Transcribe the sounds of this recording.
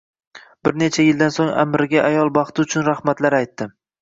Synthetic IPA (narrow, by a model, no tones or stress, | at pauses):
b̥ɪɾne̞t͡ʃʰajɪld̪ansoŋa̰mɾɪɡʲaʔajɒlˠbɑχt̪ʰɪʊt͡ʃʰʊnɾahmat̪laɾajt̪ːɪ